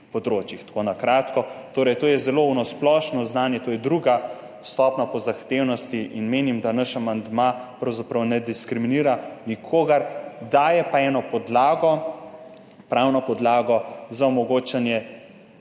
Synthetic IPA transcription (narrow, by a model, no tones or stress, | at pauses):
pɔd̪ɾoːt͡ʃjixt̪konakɾaːt̪kɔt̪oːɾɛjt̪oːjɛzɛloːunɔsplɔːʃnɔznaːnjɛt̪oːjɛd̪ɾuɡa | st̪ɔːpnapɔzaxt̪eːwnɔst̪iʔinmeːnimd̪anaʃamand̪mapɾɐwzapɾɐwnɛd̪iskɾiminiːɾanikʰoːɡɐɾd̪aːjɛpaɛːnɔpɔd̪laːɡɔ | pɾawnɔpɔd̪laːɡɔzaɔmɔɡoːt͡ʃanjɛ